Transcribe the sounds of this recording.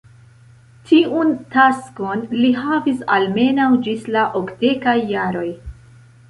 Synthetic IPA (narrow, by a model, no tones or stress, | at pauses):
tʰiʔuntasko̞nliɦavisalme̞nawd͡ʒislaʔokde̞kajːaɾo̞j